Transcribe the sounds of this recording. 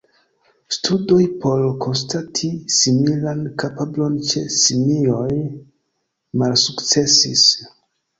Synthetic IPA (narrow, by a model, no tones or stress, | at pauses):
stʰudo̞jpo̞lkʰo̞nstatʰisimilankapablo̞nt͡ʃe̞simio̞j | malsukt͡se̞sis